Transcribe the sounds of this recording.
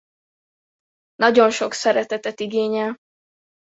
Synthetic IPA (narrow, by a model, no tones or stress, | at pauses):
nɒɟo̞nʃo̞ksɛɾɛt̪ɛt̪ɛt̪iɡeːɲɛl